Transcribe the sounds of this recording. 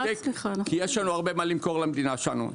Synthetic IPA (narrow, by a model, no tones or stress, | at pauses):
kijeʃlanuaʁbemalimko̞ʁlamed̪inaʃelanṵ